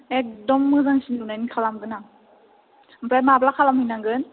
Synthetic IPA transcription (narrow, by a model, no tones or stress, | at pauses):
ek̚dɔmːɯzaŋsindunajnikʰalamɡɯna | mpʰɾajmablakʰalamhɯjnaŋɡɯn